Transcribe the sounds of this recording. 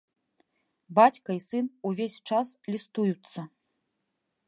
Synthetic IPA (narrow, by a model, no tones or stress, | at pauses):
bat͡sʲkɐisɨnuvʲesʲt͡ʂaslʲist̪ujut̪sːɐ